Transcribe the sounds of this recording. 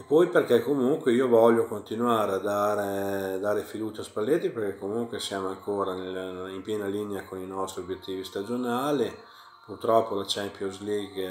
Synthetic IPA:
pɔjperkɛkːomuŋkweiːovɔʎːokont̪inwaːɾead̪aːɾed̪aːɾefid̪uːt͡ʃaspalːet̪ːiperkɛkːomuŋkwesjaːmoaŋkʰoːɾanelimpjɛːnalineakoninɔst̪ɾiobjet̪ʰːiːvist̪ad͡ʒonaːli | purt̪ɾɔpːolat͡ʃɛmpjozliɡ

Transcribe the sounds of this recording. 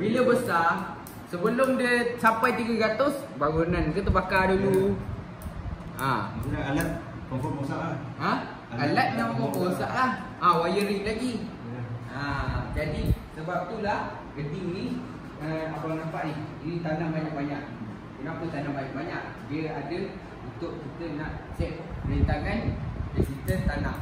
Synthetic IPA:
biliəbəsa | səbəlʊmdəsapajt̪iɡəɡat̪ʊs | baɡunankət̪̬əpakadulu | a̰unaalat̪̚ | nafɔosaʔahɦã | alat̪̚nafɔkosa̰ʔlah | awajəɾiʔlaɡi | ad͡ʒadisəbap̚t̪ulah | ɡədɪŋni | əabanampaʔniinit̪anaʔbaɲaʔbaɲaʔ | kənapət̪anaʔbajaʔbaɲaʔ | diəadə | unt̪ʊʔkit̪ənaʔsɛʔ̚pəɾent̪aŋandakit̪ət̪anaʔ

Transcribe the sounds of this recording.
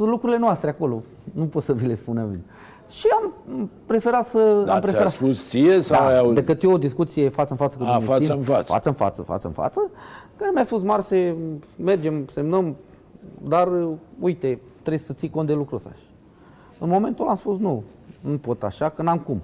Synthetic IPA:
lukɾuɾile̞noast̪ɾeako̞lo̞ | nupo̞t̪səvile̞spunavḭn | ʃiampɾe̞fe̞ɾat̪səampɾeeeɾapussiesad̪aajad̪ekɨt̪jood̪iskut̪sije̞fat̪sənfat̪səkud̪faiənfasfa̰t̪səɨnfa̰t̪sə̰fa̰t̪sə̰nfa̰t̪səkaɾemʲjaspusmarseme̞rd͡ʒe̞mse̞mnəm | d̪arujt̪e̞ | t̪ɾesət̪siko̞nt̪d̪e̞lukɾusa̰ʃ | ɨnmo̞me̞nt̪olamspusnu | nupo̞t̪a̰ʃakənamkum

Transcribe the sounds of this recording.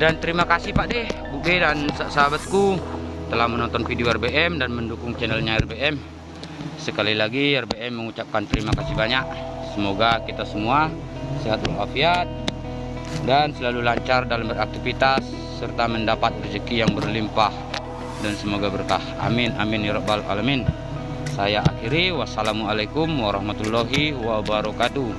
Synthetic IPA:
dant̪əɾimakasipaʔdɛhbubɛdansasaɦabat̪̚kut̪əlahmənɔnt̪ɔnfidioɛrbeʔɛmdanməndukʊŋt͡ʃɛnɛlɲaɛrbeʔɛm | səkalilaɡiɛrbeɛmːəŋut͡ʃap̚kant̪əɾimakasibaɲaksəmoɡakit̪asəmuasiɦat̪̚luafiat̪̚ | dansəlalulaɲt͡ʃardalambəɾak̚t̪ifit̪asː | ərt̪aməndapat̪̚bərd͡ʒəkijaŋbərlimpah | dansəmoɡabərkaha̰minaminiɾɔbala̰lamin | sajaʔakiɾiwasalamualakumwaɾɑhmat̪ulːɔɦiwabaɾɔkat̪u

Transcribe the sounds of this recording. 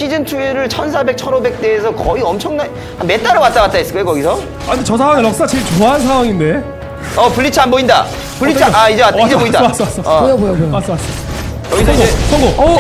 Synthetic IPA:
ɕʰid͡ʑɯntʰuiɾɯɭt͡ɕʰʌnsʰabe̞k̚t͡ɕʰʌɾobe̞k̚t͈e̞ːsʰʌkʌiʌmt͡ɕʰʌŋnan | ame̞t͈aɾɯwat͈̚aɡat̚t͈aisɯ̥k͈jokʌɡisʰʌ | aɯnd̪et͡ɕʌsʰawaŋeɾʌk̚s͈at͡ɕeɭt͡ɕoans̬ʰawaŋinde̞ | ʌpuʎːit͡ɕʰianboinda̰ | puːiaid͡ʑeataoidaas͈ʌwas͈ʌojobojobojomas͈ɯmas͈s͈ | kɡisʰʌiɡoesʰʌŋɡo

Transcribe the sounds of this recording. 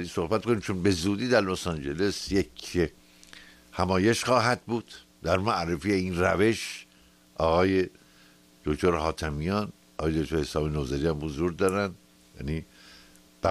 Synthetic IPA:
iso̞hbæt̪̚konimt͡ʃʰonbe̞zuːd̪iːd̪æɾlosɑnd͡ʒelesjekʰ | hæmɒːje̞ʃχɒːɦæd̪̚buːd̪̥ː | æɾmæʔrefijeinræ̰ve̞ʃ | ʔɒːɣɒːje | d̪̥okt̪ʰoɾɦɒːt̪ʰæmijɒn | ɒːɣːjed̪ok̚t̪oɾhesɒːbenozeɾiæmhozuːɾd̪ɒːɾænd̪ | jæ̰niː | b̥æ

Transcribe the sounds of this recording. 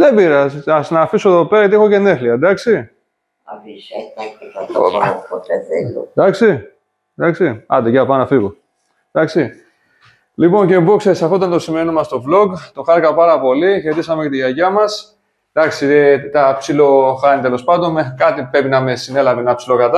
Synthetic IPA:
ðebiɾɐsɐsnɐfisoðo̞peɾɐjɐt̪iexo̞ce̞ne̞xliɐd̪ɐksi | ot̪eeld̪ɐksi | d̪ɐksiɐ̰d̪eʝɐpɐnɐfiɣo | d̪ɐksi | lipo̞nce̞bokseisɐfot̪ɐnt̪osimenomɐst̪o̞vlo̞ɡt̪o̞xɐɾikɐpɐɾɐpo̞liçɾet̪isɐmecɐt̪iʝɐʝɐmɐs | d̪ɐksiet̪ɐpsilo̞xɐnit̪e̞lo̞spɐnd̪o̞nmekɐt̪ipɾe̞pinɐmesine̞lɐveenɐpsilo̞kɐt̪ɐ

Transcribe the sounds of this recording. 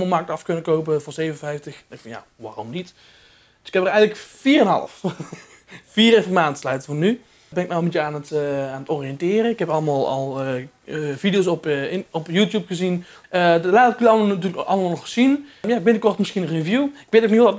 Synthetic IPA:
məlˠmɑɹk̚tɑfkɵnəkowp̬əvʊːrɹzejvənənfɛjftəxɪkfɑnja̰ | ʋa̰ːrɔmnit | d̥əsɪkhɛpərɛjɣənləkfiːrənɦɑ̰lə̰f | fiːrɪfəmaːntslœɥtəvɔny | bɛnɪkmɛɔlˠmitəaːnətaːnətɔrijɛntɪːrənɪkɦɛpɑləmaːlˠɑ̰lˠə | vidijowsɔpɔpjutjupχəzin | ədlaːtəklaatyːrləkʔɑ̰lˠəmaːlˠnɔχz̥injaɪɡ̚bɪntəkɔrtmɪsχinənrevjuɪkʋeːtowknitɔt

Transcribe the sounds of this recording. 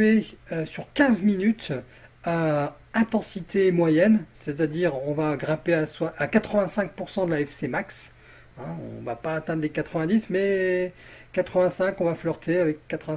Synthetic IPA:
eøsyʁkʲɛ̃zminyt̪ | ø | ɛ̃t̪ɑ̃sit̪ʰeːmwajɛnsɛt̪ad̪iʁɔ̃vaɡʁɛ̃peaswaʔːkat̪χəvɛ̃sɛ̃k̚puʁsɑ̃d̪əlaɛfsemaks | ɛ̃ɔ̰̃vapaːt̪ɛ̃d̪ʁlekat̪χəvɛ̃d̪ismɛ | kat̪χəvɛ̃sɛ̃kɔ̃vaflœʁt̪ʰeavɛkːat̪χəvɛ̃

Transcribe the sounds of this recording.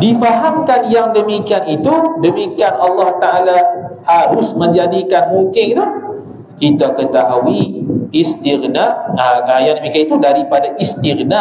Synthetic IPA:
difaɦamkanjaŋdəmikianit̪udəmikianɑlːɑht̪aʔalahaɾʊsmə̃ɲd͡ʒadikanmuŋkɪnit̪u | kit̪akət̪aɦuiːst̪irnaŋajandəmikianit̪udaɾipadaʔist̪irna

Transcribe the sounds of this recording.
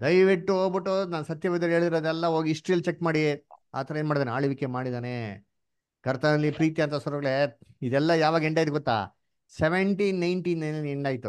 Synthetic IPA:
d̪ɐjʋiʈːuɦoːɡbiʈːunaːnsɐt̪jɐbid̪ɐɾeːɭd̪iɾɐd̪ɛlːɐɦoːɡiːsʈɾijɐlt͡ʃekːmaːɽia̰ːt̪ʰɐɾɐenmaːɖid̪aneaːɭiʋikːemaːɽid̪aːne | kɐɾt̪ʰɐnɐlːipɾiːt̪iɐnt̪ɐsɔɾɔɡɐɭeid̪ɛlːɐjaːʋaːɡɐeɳɖaːjt̪̬uɡɔt̪ːa̰ː | seʋeɳʈiːnnɐjɳʈiːnːɐjnɐleɳɖaːjt̪u

